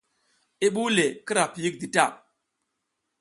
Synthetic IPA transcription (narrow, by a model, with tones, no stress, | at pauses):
i˦ɓu˦le˨ki˦ɾa˨pi˨ji˦k̚di˨ta˦˨